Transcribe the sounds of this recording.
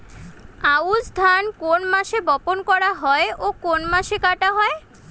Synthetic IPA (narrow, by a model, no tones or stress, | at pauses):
aud͡ʑd̪ʱankonmaʃebɔponkɔɾaɦɔeʔokonmaʃekaʈaɦɔe